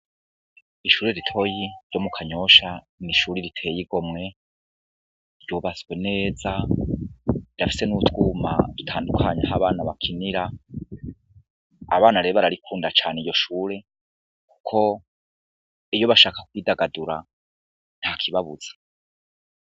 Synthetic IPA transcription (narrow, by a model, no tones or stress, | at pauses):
iʃuːɾe̞ɾitʰo̞jiɾjo̞mukʰaɲo̞ʃa | niʃuːɾiɾitʰe̞ːjiɡo̞mŋe̞ | ɾjuβazɡwe̞ne̞ːza | idafi̥se̞nutuːma̰dutʰaːndukʰaɲaɦaβaːnaβakʰiniɾa | βaːnaɾeβaɾaɾikʰuːndat͡ʃaːnijo̞ʃuːɾe̞ | ku̥kʰo̞ | ijo̞βaʃaːkḁkwiːdaɡaduɾa | n̥hakʰiβaβuz̥ḁ